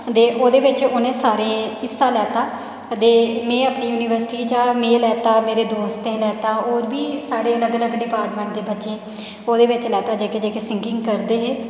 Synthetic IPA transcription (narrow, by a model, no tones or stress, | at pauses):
d̪eːʔoːd̪eːʋɪt͡ʃʊnẽːsaːɾẽːɪst̪ãːlɛːt̪aː | d̪eːmẽːaːpɳiːjuːniːʋəɾsʈiːd͡ʒaːmẽːlɛːt̪aːmeːɾeːd̪oːst̪ẽːlɛːt̪aːoːɾbiːsaːɽeːləɡləɡɖɪpaːɾʈmɛ̃ɳʈ̚d̪eːbətːʃẽː | oːd̪eːʋɪt͡ʃlɛːt̪aːd͡ʒeːked͡ʒeːkeːsɪ̃ŋɡɪŋɡkəɾd̪eːɦeː